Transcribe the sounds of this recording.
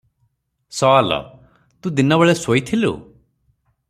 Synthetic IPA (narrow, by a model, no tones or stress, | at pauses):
sɔalɔ̰ | t̪ũd̪inɔbeɭesoit̪ʰilṵ